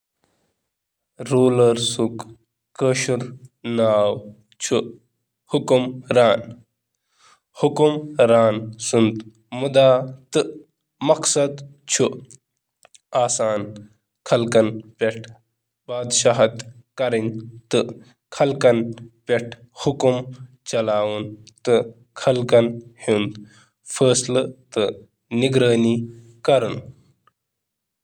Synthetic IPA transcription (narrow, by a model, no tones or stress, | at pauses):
ɾuːlɐɾsuk | kəːʃuɾnaːw | t͡ʃʰu | hukumɾaːn | hukumɾaːnsunt̪ | mud̪aːt̪ɨ | mɐksɐd̪ | t͡ʃʰu | aːsaːn | kʰɐlkɐnpʲeʈʰ | baːd̪ʃaɦɐt̪kɐɾinʲt̪ɨ | kʰɐlkɐnpʲeʈʰ | hukum | t͡ʃɐlaːwunt̪ɨ | kʰɐlkɐnhind̪ | pʰəːslɨt̪ɨ | niɡɾəːniː | kɐɾun